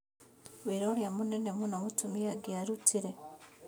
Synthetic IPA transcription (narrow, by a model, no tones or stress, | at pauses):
wiɾoːljamune̞ne̞munomutumiaɡiaɾutiɾe